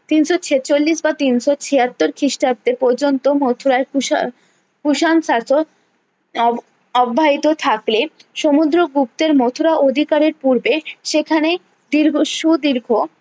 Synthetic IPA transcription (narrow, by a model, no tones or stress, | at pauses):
t̪inʃot͡ɕʰet͡ɕolːiʃbat̪inʃot͡ɕʰiat̪ːoɾkʰɾiʃʈap̚t̪epɔɾd͡ʑont̪omot̪ʰuɾaeɾ | kuʃansaso | ɔbʱːaɦit̪ot̪ʰakleʃomud̪ɾoɡuk̚t̪eɾmot̪ʰuɾaʔod̪ʱikaɾeɾpuɾbeʃekʰane | d̪iɾɡʃud̪iɾɡʱo